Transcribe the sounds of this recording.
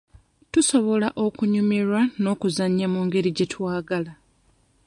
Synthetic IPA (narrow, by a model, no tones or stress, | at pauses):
tuso̞βo̞laʔo̞kuɲumiɾwano̞ːkuzaɲːamuːŋɡe̞ɾiɟe̞twaːɡala